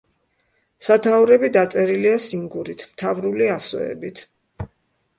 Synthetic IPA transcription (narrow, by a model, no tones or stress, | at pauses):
sat̪ʰauɾɛbid̪at̪sʼɛɾiliasiŋɡuɾit̪ʰmt̪ʰavɾuliaswɛ̰ɛ̰bit̪ʰ